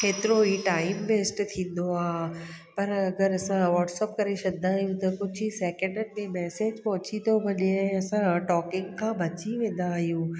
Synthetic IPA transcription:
eːt̪ɪɾoiʈaːɪmbeːsʈt̪ʰĩːnd̪oaː | pɐɾɐɡəɾɐsãʋɔːʈsɛːp̚kɐɾeʃɐd̪d̪aːɦijũt̪ɐkʊd͡ʑʱiseːkə̃ɳɖənɪ̆mẽmɛːseːd͡ʑpɔɦʊ̃t͡ɕit̪obʱɐɗeɛ̃ɐsãʈɔːkɪ̃ŋɡkʰãːbʱɐt͡ɕiʋẽːnd̪aɦijũː

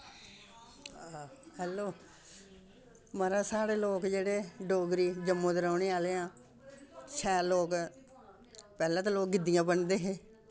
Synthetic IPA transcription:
ahɛːloː | məɾãːsaːɽeːloːkd͡ʒeːɽeːɖoːɡɾiːd͡ʒəmːõːt̪əɾaːɳeːaːleːãː | ʃʰɛːloːk | pɛːlãːt̪aːloːk̚ɡɪd̪ijãːbəɳd̪eːɦeː

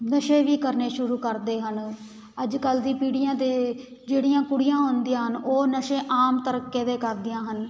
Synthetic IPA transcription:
nəʃẽːʋiːkəɾneːʃʊɾuːkəɾd̪eːɦən | əd͡ʒkəld̪iːpiːɽɪjãːt̪eː | d͡ʒeːɽijãːkʊɽɪjãːɦõːnd̪ijãːɦənoːnəʃẽːʔaːmt̪əɾəkːeːd̪eːkəɾd̪ɪjãːɦən

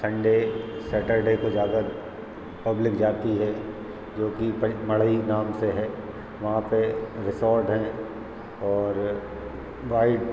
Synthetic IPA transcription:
sɐ̃ɳɖesɐʈəɾɖeːkod͡ʒaːd̪a | pɐblɪkd͡ʒaːt̪iɦɛ | d͡ʒoːkipɐmɐɭəinaːmseɦɛː | ʋɐɦãpeɾɪsɔːɾʈɦɛ̃ | ɔːɾ | ʋaːɪɖ

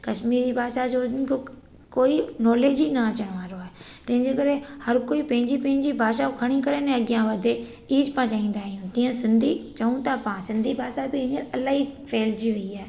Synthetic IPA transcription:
kɐʃmiːɾibʱaːʃad͡ʑoːnkʰo | koːinɔːleːd͡ʑinɐɐt͡ɕəɽ̃ʋaːɾoaːɦet̪ɐ̃ɦɪ̃ɲd͡ʑeːkɐɾehɐɾkoːipɐ̃ɦɪ̃ɲd͡ʑipɐ̃ɦɪ̃ɲd͡ʑibʱaːʃakʰɐɽ̃ikɐɾənẽɐɠɪjãʋɐd̪ʱe | iːd͡ʒpãt͡ɕaːĩːn̆d̪aːɦijũt̪ĩːə̃sɪ̃nd̪ʱit͡ɕɐũt̪apãːsɪ̃nd̪ʱibʱaːʃabɪɦɪ̃ɲəɾɐlaːɦifʰeːld͡ʑiʋeiaːɦe

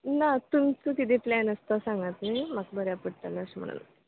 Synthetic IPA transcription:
nat̪umt͡sɨkit̪̬iplaːnɐst̪asaŋɡat̪nɨmakbəɾjapuʈːalːɐʂɐmɐ̰ɳɐ̰nː

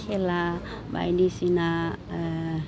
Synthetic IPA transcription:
kʰela | ba̰jnisina

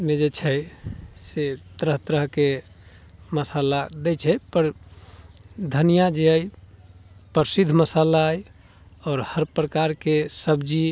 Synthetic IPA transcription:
med͡ʒet͡ʃʰɛ | set̪ɾəɦt̪ɾəɦke | məsalad̪ɛt͡ʃʰɛpəɾ | d̪ʱənijad͡ʒeəj | pəɾsid̪ʱməsalaj | ɔːɾhəɾpɾəkaɾkesəbd͡ʒi

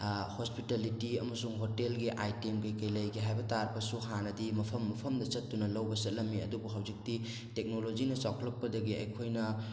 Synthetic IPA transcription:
hospitalitiɐmɐsuŋɦotelɡiʔajtemkɐjkɐjlɐjɡiɦajbɐtaɾpɐsuɦanɐdimɐpʰɐmːɐpʰɐmdɐt͡ʃɐtːunɐlɐwbɐsɐt̚lɐmːiɐdubuɦawzik̚ti | tek̚nolod͡ʒinɐt͡ʃawkʰlɐk̚ːɐdɐɡiɐ̰jkʰojnɐ

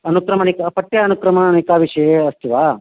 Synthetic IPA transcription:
ɐnukɾɐmɐnikɐpɐʈːjɐɐnukɾɐmanikaʋiʂɐjeɐst̪ʰiʋaː

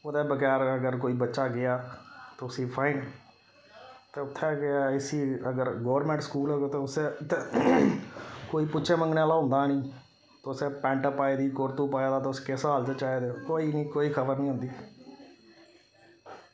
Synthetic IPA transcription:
oːd̪eːbəkɛːɾəɡəɾkoːiːbətːʃaːɡɪaːt̪eʊsĩːpʰaːɪːn | t̪eːʊt̪ʰːɛːkeaɪsiːəɡəɾɡoːɾmɛ̃ːɳʈskuːlɦoːɡoːt̪eːʊseːt̪eː | koːiːpʊtːʃʰẽːməŋɡneaːlaːɦʊ̃nd̪aːnĩː | t̪ːʊseːpɛ̃ːɳʈəpːaːeːd̪iːkoːɾt̪uːpaːeːd̪aːt̪eːʊskɪsaːlt͡ʃət͡ʃaːeːd̪eoːkoːiːniːkoːiːkʰəbəɾnĩːɦʊ̃nd̪iː

